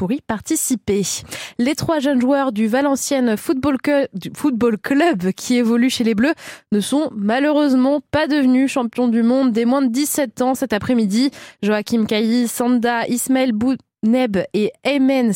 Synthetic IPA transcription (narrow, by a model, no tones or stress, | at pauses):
puʁipaʁt̪isipelet̪χwaʒənʒwœʁd̪yvalɑ̃sjɛnfubd̪yfut̪̚bolklœbkʲʰievɔlyʃeleblønəsɔ̃maløʁøzmɑ̃pad̪əvnyʃɑ̃pjɔ̃d̪ymɔ̃d̪ːemwɛ̃d̪əd̪isɛt̪ɑ̃sɛt̪apχɛmid̪iʒoakʲimkajisɑ̃d̪aʔismaɛlbu | nɛbeɛmɛn